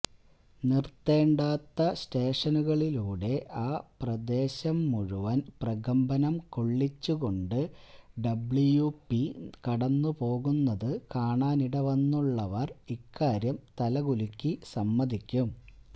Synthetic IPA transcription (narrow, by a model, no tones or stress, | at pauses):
nirt̪ːe̞ːɳɖaːt̪ːɐste̞ːʂɐnuɣɐɭiluːɽe̞ʔaːprɐd̪e̞ːɕɐmːuɻuʋɐnprɐɣɐmbɐnɐmkoɭːit͡ɕːuɣo̞ɳɖɨɖɐbɭijupːikɐɽɐnːupo̞ːɣunːɐðɨkaːɳaːniɽɐʋɐnːuɭːɐʋɐrikːaːɾjɐmt̪ɐlɐɣulikʲːisɐmːɐðikʲːum